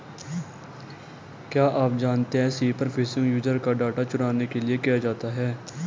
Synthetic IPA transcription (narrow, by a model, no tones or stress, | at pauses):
kjaːʔaːp̚d͡ʒaːnt̪eɦɛ̃ːsiːpəɾfʰɪːsɪ̃ŋjuːd͡ʒəɾkaɖaːʈat͡ʃʊɽaːnekeliekijad͡ʒaːt̪aɦɛː